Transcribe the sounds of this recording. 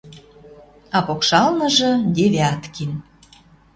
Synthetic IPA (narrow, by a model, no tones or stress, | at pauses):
ɑpokʃɑlnə̆ʒɤ̆d̪eβeɑt̪kin